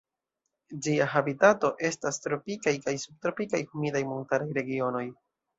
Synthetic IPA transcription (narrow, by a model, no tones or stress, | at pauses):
d͡ʒiaɦabitato̞ʔe̞stastɾo̞pikajkajsub̚tɾo̞pikajhumidajmonutaɾajɾe̞ɡio̞no̞j